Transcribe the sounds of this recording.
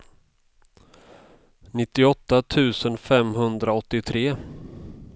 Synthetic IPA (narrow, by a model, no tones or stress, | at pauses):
nɪt̪ːɪɔt̪ːat̪ʰʉ̟ːsənfɛmɦɵnd̪ɾaɔt̪ːɪt̪ʰɾeː